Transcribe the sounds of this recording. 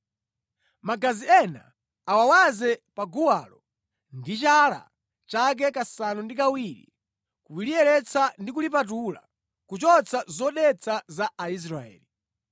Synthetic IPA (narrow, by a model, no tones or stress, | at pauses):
maɡaziɛna̰ː | wawazɛpaɡuwalɔ | ndit͡ʃala̰ | t͡ʃak̬ɛkasanundik̬awiɾḭ | kuwiliɛɾɛt͡sʰandikulip̬at̬ula̰ | kut͡ʃɔt͡sʰazɔɗɛt͡sʰazaːis̬ɾaɛ̰ːli